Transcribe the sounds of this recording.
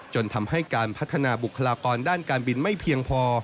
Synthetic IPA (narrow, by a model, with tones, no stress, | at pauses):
t͡ɕo˧nt̪ʰa˧mha˥˩jkaː˧npʰa˦˥t̪ʰːa˧naː˧bu˨˩kʰːa˧laː˧kɔː˧ndaː˥˩nkaː˧nbi˧nma˥˩jpʰi˧əŋpʰɔː˧